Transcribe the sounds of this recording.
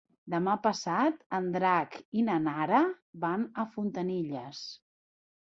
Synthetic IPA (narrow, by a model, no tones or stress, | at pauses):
d̪əmapəsat̪ənd̪ɾakinənaɾə | banəfunt̪əniʎəs